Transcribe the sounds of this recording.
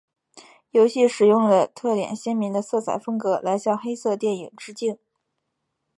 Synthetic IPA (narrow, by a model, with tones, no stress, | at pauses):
jo˧˥ʊɕi˥˩ʂɻ̩˨˩jʊ˥˩ŋlə˩t̪ʰɤ˥˩t̪jɛ̰˨˩nɕɛ˥nmi˧˥ŋd̪ə˧sɤ˥˩t͡sʰa̰˨˩ɪfɤ˥ŋkɤ˧˥la˧˥ɪɕjɑ˥˩ŋxe˥ɪsɤ˥˧t̪jɛ˥˩ni˨˩ŋʈ͡ʂɻ̩˥t͡ɕi˥˩n